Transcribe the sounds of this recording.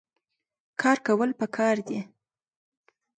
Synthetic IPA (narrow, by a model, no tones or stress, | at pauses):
kʰɑɾkawəlpəkʰɑɾd̪i